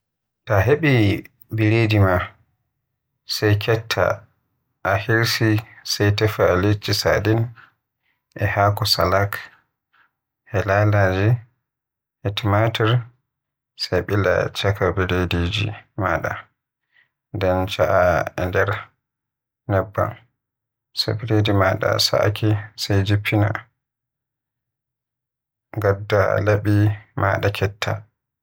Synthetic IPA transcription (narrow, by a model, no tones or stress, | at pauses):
taɦeɓi | biɾedima | sajkʰɛtʰːa̰ | ʔahiɾsisajtɛfaːlet͡ʃːisa̰din | ʔɛhaːkɔsa̰lak | hɛlalad͡ʒi | hɛtimatɛɾ | sajɓila̰t͡ʃakʰabiɾedid͡ʒḭmaːɗa̰ | ndɛnt͡ʃaʔaɛ̰ndɛɾ | nɛbːa̰n | sa̰biɾedimaɗa̰sa̰ʔkʰisajd͡ʒipʰːina̰ | ɡadːa̰laɓimʔaːɗakʰɛtʰːa